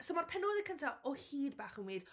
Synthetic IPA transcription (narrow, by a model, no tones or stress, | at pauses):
somarpʰɛnoːðɪkʰəntʰaɔhiːd̚baːχənweːd̥